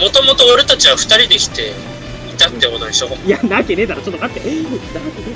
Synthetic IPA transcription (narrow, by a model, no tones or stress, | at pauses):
mo̞t̪o̞mo̞t̪o̞ːɾet̪at͡ɕiβ̞aɸɯ̟̥t̪aɾʲid̪e̞kʲi̥t̪e̞ | it̪at̪ːeonaiɕoijanakened̪aɾat͡ɕot̪ːokat̪ːenakene